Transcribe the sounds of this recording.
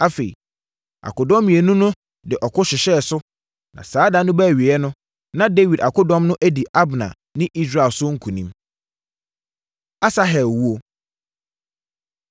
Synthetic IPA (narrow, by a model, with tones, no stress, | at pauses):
a˦fe˨ḭ˨ | a̰˨kʊ˨dɔ̃˦mĩ˨e˨nũ˦nʊ̃˦ | dɪ˨ʔɔ˨kʰʊ˦ɕɪ˨ɕɛ˦˨sʊ˦ | nã̰˨saː˨˦dã˨nʊ̃˦bæ˦˨ɥi˨ɛ˦nʊ̃˦ | nã˦de˦wi˨da˨kʊ˦dɔ̃˦mnʊ̃˦ʔæ˦di˨ʔa˦bnã̰˨ | nɪ̃˦ʔi˦s̬ɾa˨sʊ˦ŋ̩˦kʰũ˨nĩ˦m | a˦sa˦ɦɛ˨lwu˦o˦